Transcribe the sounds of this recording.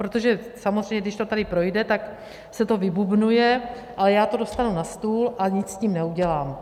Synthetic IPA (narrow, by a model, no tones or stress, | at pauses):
pɾot̪o̞ʒɛsamozrɛjɲɛɡdɪʃt̪o̞t̪adɪpɾo̞jdɛt̪ak | sɛt̪o̞vɪbubnujɛ | ʔalɛjaːt̪o̞do̞st̪anunast̪uːlʔaɲɪt͡ssciːmnɛuɟɛlaːm